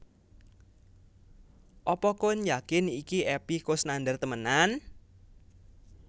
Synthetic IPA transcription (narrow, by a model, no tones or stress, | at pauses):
ʔɔpɔkʊnjakɪnikiɛpikosnandərt̪əmənan